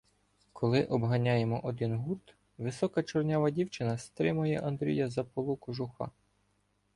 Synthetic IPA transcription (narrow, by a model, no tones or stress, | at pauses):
kʰɔlˠɪʔɔbɦɐnʲɑjemɔʔɔd̪ɪnɦut̪ | ʋɪsɔkɐt͡ʃɔrnʲaʋɐdʲiwt͡ʃɪnɐst̪ɾɪmʊjɛʔɐnd̪ɾʲḭjɐzɐpɔlˠukʊʒʊxɑ̰